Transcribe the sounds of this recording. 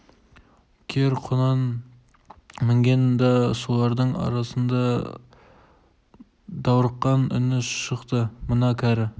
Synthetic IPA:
kʲʰeɾqʰonɑn | mɪŋɡʲend̪ɑsolˠɑɾd̪əɴɑ̰ɾɑsənd̪ɑ | d̪ɑwɾəqːɑnʏ̰nɪʃəqt̪əmənɑkʲʰæɾɪ

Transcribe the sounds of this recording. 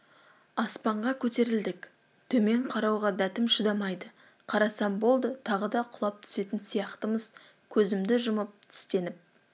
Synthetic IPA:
ɑspɑɴʁɑkʲʰɵt̪e̞ɾɪld̪ɪkʲ | t̪ʰɵme̞ɴqʰɑɾɑwʁɑd̪æt̪ɪmʃəd̪ɑmɑjd̪ə | qʰɑɾɑsɑmbo̞lˠd̪ət̪ʰɑʁəd̪ɑqʰʊlˠɑp̚t̪ʰʏ̥se̞t̪ɪnsijɑqt̪əməz̥ | kʲʰɵzɪmd̪ɪʒʊməp̚t̪ʰɪ̥st̪e̞nɪp̚

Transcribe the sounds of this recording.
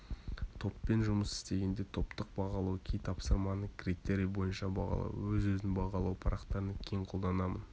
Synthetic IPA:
t̪ʰo̞pːe̞nʒʊməsɪ̥st̪e̞ɡʲe̞nd̪e̞t̪ʰo̞pt̪əq̚bɑʁɑlˠɑwkʲʰejt̪ʰɑpsəɾmɑnəkʲrit̪e̞ɾijbo̞jənʃɑbɑ̰ʁɑ̰lˠɑ̰wwɵzwɵznɪnbɑʁɑlˠɑwpʰɑɾɑqt̪ɑɾənɑkʲʰejɴqʰo̞lˠd̪ɑnɑmən

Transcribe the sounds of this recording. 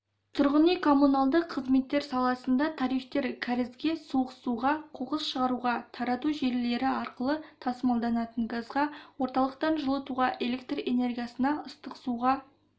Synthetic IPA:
t̪ʰʊɾʁənijkʰo̞mːunɑlˠd̪əqʰːəzme̞t̪ːe̞ɾsɑlˠɑsənd̪ɑt̪ʰɑɾijχt̪e̞ɾkʲʰæɾɪzɡʲe̞soʁəsuʁɑqʰoʁəsʃəʁɑɾuʁɑt̪ʰɑɾɑt̪uʒe̞ɾle̞ɾɪɑɾqəlˠət̪ʰɑsəmɑlˠd̪ɑnɑt̪əɴɡɑzʁɑwo̞ɾt̪ɑlˠəqt̪ɑnʒəlˠət̪uʁɑʔe̞le̞k̚t̪re̞ne̞rɡʲijasənɑəst̪əqsuʁɑ

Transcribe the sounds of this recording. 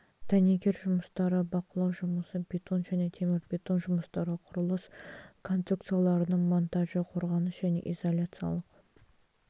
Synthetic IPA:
t̪ʰænekʲe̞ɾʒʊməst̪ɑɾəbɑqəlˠɑwʒʊməsəbʲet̪o̞nʒæne̞t̪ʰe̞mɪɾbʲet̪o̞nʒʊməst̪ɑɾəqʰʊɾəlˠəskʰo̞nt̪ɾuk̚t̪sɨjalˠɑɾənəɴmo̞nt̪aʒəqʰo̞ɾʁɑnəsʒ̥æne̞̰ʔizolʲat̪sɨja̰lˠəq

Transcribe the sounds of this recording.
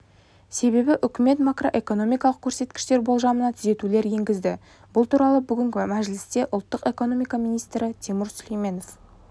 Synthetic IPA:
se̞βe̞bɪʔʏkʲɪme̞t̪makro̞̰ʔe̞ko̞no̞mijkɑlˠəq̚kʲʰɵɾse̞t̪̚kʲɪ̥ʃt̪e̞ɾbo̞lˠʒɑmənɑt̪ʰʏze̞t̪ule̞ɾje̞ŋɡʲɪzd̪ɪ | bʊlˠt̪ʰuɾɑlˠəbʏɡʲɪŋkʲɪmæʒlɪst̪e̞ʔʊlˠt̪ːəqe̞ko̞no̞mijkɑmijnijst̪ɾɪt̪ʰemʊɾsʏlʲejme̞no̞f

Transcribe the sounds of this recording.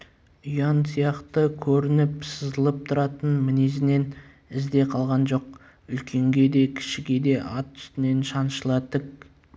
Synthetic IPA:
ʊjɑnsijɑqt̪əkʲʰɵɾɪnɪpsəzəlˠəp̚t̪ʰʊɾɑt̪ənmɪnezɪne̞n | ɪzd̪e̞qʰɑlˠʁɑnʒo̞q̚ | ʏlkʲʰe̞ŋɡʲe̞d̪e̞kʲʰɪ̥ʃɪɡʲe̞d̪e̞ʔɑt̪ʰːʏ̥st̪ɪne̞nʃɑnʃəlˠɑt̪ək̚

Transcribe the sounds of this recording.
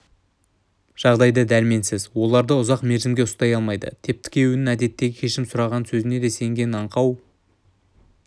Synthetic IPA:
ʒ̥ɑʁd̪ɑjd̪əd̪ælme̞nsɪzwo̞lˠɑɾd̪əʊzɑqme̞ɾʒɪmɡʲe̞ʊst̪ɑjɑlˠmɑjd̪ə̰t̪ʰe̞p̚t̪ʰɪ̥kʲʰe̞wɪnɪŋæd̪e̞t̪ːe̞ɡʲɪkʲʰe̞ʃɪmsʊɾɑʁɑnsɵzɪne̞d̪e̞se̞ŋɡʲe̞nɑɴqʰɑw

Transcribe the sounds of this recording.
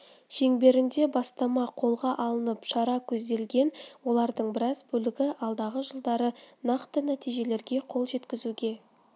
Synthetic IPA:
ʒ̥e̞ŋbe̞ɾɪnd̪e̞bɑst̪ɑmɑqʰo̞lˠʁɑʔɑlˠənəpʃɑɾɑkʲʰɵzd̪e̞lɡʲe̞nwo̞lˠɑɾd̪əɴbɪɾɑzbɵlɪɡʲɪʔɑlˠd̪ɑʁəʒəlˠd̪ɑɾənɑqt̪ənæt̪ijʒe̞le̞ɾɡʲe̞qʰo̞lˠʒe̞t̪kʲɪzuɡʲe̞

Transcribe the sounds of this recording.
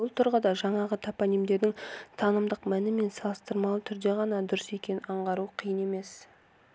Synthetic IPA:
bʊlˠt̪ʰʊɾʁəd̪ɑʒɑɴɑʁət̪ʰapanijmd̪e̞ɾd̪ɪŋt̪ʰɑnəmd̪əqmænɪme̞nsɑlˠəst̪əɾmɑlˠət̪ʰʏɾd̪e̞ʁɑnɑd̪ʊɾəsekʲe̞nɪnɑɴʁɑɾuqʰijəne̞me̞s

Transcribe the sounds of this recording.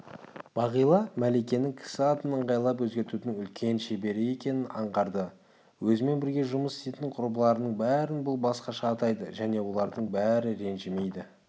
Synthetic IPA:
b̥ɑʁijlˠɑmæle̞kʲe̞nɪŋkʲʰɪ̥sɪɑt̪ənəɴʁɑjlˠɑpwɵzɡʲe̞ɾt̪ud̪ɪŋʏlkʲʰe̞nʃe̞be̞ɾɪe̞kʲe̞nɪnɑɴʁɑɾd̪ə | wɵzɪme̞nbɪɾɡʲe̞ʒʊməsɪ̥st̪et̪ɪɴqʰʊɾbəlˠɑɾənəɴbæɾɪnbʊlˠbɑsqɑʃɑːt̪ɑjd̪ə̰ʒæne̞wo̞lˠɑɾd̪əɴbæɾɪɾe̞nʒɪme̞jd̪ɪ

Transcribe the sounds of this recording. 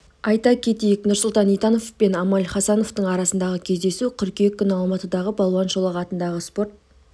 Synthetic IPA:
ɑjt̪ɑkʲʰe̞t̪ejɪknʊɾsʊlˠt̪ɑnijt̪ɑno̞fpe̞nɑmɑlχɑsɑno̞ft̪əɴɑɾɑsənd̪ɑʁəkʲʰe̞zd̪e̞suqʲʰʏɾkʲekʲːʏnɑlˠmɑt̪əd̪ɑʁəbɑlˠwɑnʒolˠɑʁɑt̪ənd̪ɑʁəspo̞rt̪̚

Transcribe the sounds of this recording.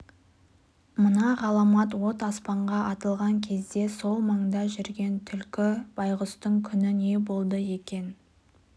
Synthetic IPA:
mənɑʁɑlˠɑmɑt̪wo̞t̪ɑspɑɴʁɑʔɑt̪əlˠʁɑŋkʲʰe̞zd̪e̞so̞lˠmɑɴd̪ɑʒʏɾɡʲe̞nt̪ʰʏlkʲɪb̥ɑjʁəst̪əɴkʲʰʏnɪne̞bo̞lˠd̪əje̞kʲe̞n

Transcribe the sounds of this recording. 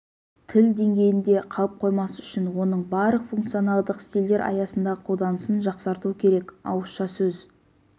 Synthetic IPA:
t̪ʰɪld̪e̞ŋɡʲe̞jɪnd̪e̞qʰɑlˠəp̚qʰo̞jmɑsəʏʃɪnwo̞nəɴbɑɾləqfuŋkt̪sijo̞nɑlˠd̪əqst̪ild̪e̞ɾʔɑ̰jɑsənd̪ɑʁəqʰo̞lˠd̪ɑnəsənʒɑqsɑɾt̪uwəkʲʰe̞ɾe̞kɑ̰wəsʃɑsɵz

